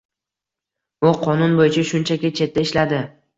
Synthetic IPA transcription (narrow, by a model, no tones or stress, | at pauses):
ʊqʰɒnʊnbojɪt͡ʃʰaʃʊnt͡ʃʰakʲɪt͡ʃʰe̞t̪ʰːaɪʃlad̪ɪ